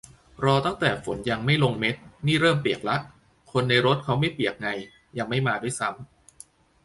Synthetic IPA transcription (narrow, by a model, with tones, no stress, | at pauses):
ɾɔː˧t̪a˥˩ŋt̪ɛː˨˩fo˩˦nja˧ŋma˥˩jlo˧ŋme˦˥t̪̚niː˥˩ɾɤː˥˩mpi˨˩ək̚la˦˥ʔ | kʰo˧nːa˧jɾo˦˥t̪̚kʰa˦˥wma˥˩jpi˨˩ək̚ŋa˧j | ja˧ŋma˥˩jmaː˧du˥˩jsa˦˥m